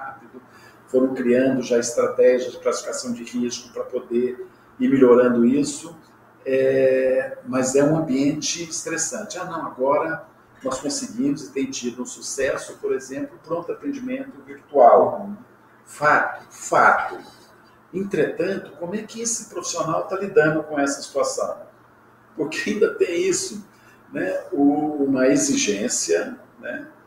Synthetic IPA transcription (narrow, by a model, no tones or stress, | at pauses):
hapid̪ʊ | foɾɐ̃w̃kɾiɐ̃nd̪ʊʒaɪst̪ɾat̪ɛʒiɐd͡ʒɪplasi̥fikasɐ̃w̃d͡ʒɪhiskʊpɾɐpod̪eɾ | iɾmiʎoɾɐ̃nd̪ʊisʊ | ɛ | mɐzɛũɐ̃mbiẽnt͡ʃɪɪst̪ɾesɐ̃nt͡ʃɪanɐ̃w̃aɡɔɾɐ | nɔskõsɪɡĩmʊzɪt̪ẽj̃t͡ʃid̪ʊũsusɛsʊpoɾezẽmplʊpɾõnt̪ʊat̪ẽd͡ʒimẽnt̪ʊviɾt̪uaw | fat̪ʊ̥fat̪ʊ | ẽnt̪ɾet̪ɐ̃nt̪ʊkõmʊɛkɪesɪpɾofi̥sionawt̪alid̪ɐ̃nd̪ʊkõɛsɐ̥si̥t̪uasɐ̰̃w̃ | poɾkɪaĩnd̪ɐt̪ẽj̃isʊ | nɛʊũmɐeziʒẽsjɐnɛ